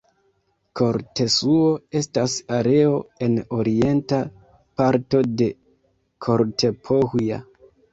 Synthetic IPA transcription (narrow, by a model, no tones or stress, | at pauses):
ko̞ɾte̞suo̞e̞stasaɾe̞o̞e̞no̞ɾie̞nta | paɾto̞de̞ | kʰo̞ɾtʰe̞pʰohuja̰